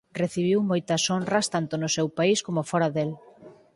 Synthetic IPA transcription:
reθiβ̞iwmojt̪ɐsonrɐst̪ant̪onʊsewpaiskomofɔɾɐðel

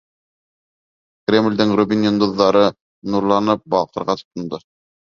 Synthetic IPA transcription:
krʲemlʲd̪ɘŋrʊbʲinʲend̪uðːɑɾɤ | nuɾlˠɑnɤp̚bɑ̰lˠqɤ̆ɾʁɑt̪ʰo̥t̪ŏnd̪ɤ

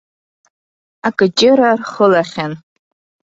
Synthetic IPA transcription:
akʼɨt͡ʃʼɪɾarχəlaχʲan

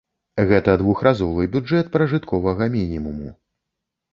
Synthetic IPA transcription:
ɣɛt̪ɐd̪vuxɾazɔvɨbʲuɛt̪̚pɾɐʐɨt̪kʰɔvɐɣɐmʲinʲimumṵ

